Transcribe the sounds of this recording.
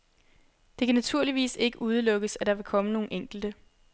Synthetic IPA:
d̥e̝kʰænæt͡sʰuɐ̰liʋḭːse̝ɡ̥əʔuð̞ˠəlɔ̽ɡ̥əsæd̥ɑ̈ʋe̝kʰɒ̽məno̝ːn̩eŋ̰ɡ̥l̩d̥ə

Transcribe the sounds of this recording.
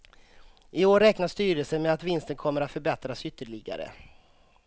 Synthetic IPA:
ɪoːɾɛknaʂt̪yːɾəlsəmɛat̪vɪnst̪ənkʰɔmːəɾat̪fœɾbɛt̪ɾasʏt̪ːəɭɪɡa̰ɾə̰

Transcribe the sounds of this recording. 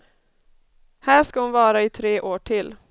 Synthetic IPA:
hæːʂkahʊnvɑːɾaɪt̪ʰɾeːʔoːʈʰɪl

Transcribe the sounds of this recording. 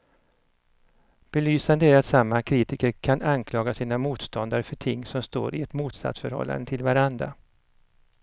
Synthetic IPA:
b̥ɛlyːsand̪əæɾat̪samːakʰɾiːt̪ɪkəɾkʰanankʰlɑːɡasiːnamuːt̪st̪ɔnd̪aɾəfœʈʰɪŋːsɔmst̪o̰ːɾɪɛt̪muːt̪sa̰t̪sfœɾhɔ̰lːa̰nd̪ət̪ʰɪlvaɾand̪ɾa̰

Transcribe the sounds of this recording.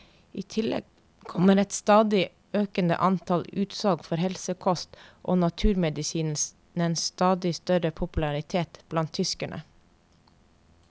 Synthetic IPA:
iːt̪ʰɪlɛ̰ɡ̥̚ | kʰɔməɾɛt̪st̪ɑːd̪ɪ | øːkənə̰ʔɑnt̪ʰɑlʉːt̪sɔlɡfɔɾhɛlsəkʰɔst̪ʔo̰ːnɑt̪ʰʉːɾmɛd̪ɪsiːns | nənst̪ɑːd̪ɪst̪œɾəpʰʊpʉlɑɾɪt̪ʰeːt̪b̥lɑnt̪ʰːʏskəɳʔə̰

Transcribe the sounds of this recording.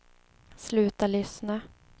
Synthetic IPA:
slʉ̟ːt̪aɭʏsna

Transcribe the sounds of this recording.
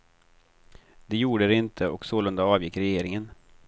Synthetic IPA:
d̪ɛjuːɖəd̪ɛɪnt̪ʰəɔksoːlɵnd̪aɑːvjɪkːɾɛjeːɾɪŋən

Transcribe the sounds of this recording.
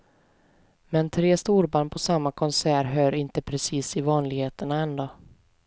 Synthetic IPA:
mɛnt̪ʰɾeːst̪uːɾbaːɳpʰɔsamːakʰɔnsæːɾɦœːɾɪnt̪əpʰɾɛsiːsɪvɑːnlɪɡheːt̪əɳaɛnd̪o

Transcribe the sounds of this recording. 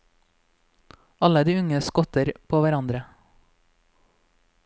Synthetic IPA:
ɑləd̪iːʉŋəskɔt̪əɾpʰoːʋæɾɑnd̪ɾə

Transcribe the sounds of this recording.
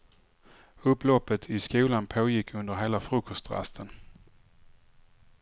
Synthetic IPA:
ɵpːlɔpːət̪ʰɪskuːlanpʰoːjɪkʰːɵnd̪əɾɦeːlafɾɵkʰɔst̪ɾa̰st̪ʰən

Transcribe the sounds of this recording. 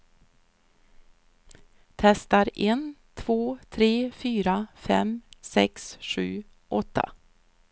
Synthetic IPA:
t̪ʰɛst̪aɾent̪ʰv̥oːt̪ʰɾeːfyːɾafɛ̰msɛksɧʉ̟̰ː | ʔɔt̪ʰːa̰

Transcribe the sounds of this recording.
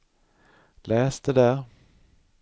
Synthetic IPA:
lɛːsd̪əd̪æɾ

